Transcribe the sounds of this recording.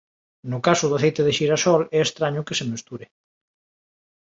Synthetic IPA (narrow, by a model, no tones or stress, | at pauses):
nʊkasʊðʊaθejt̪eðeʃiɾasɔlɛest̪ɾaɲʊkɪsemest̪uɾe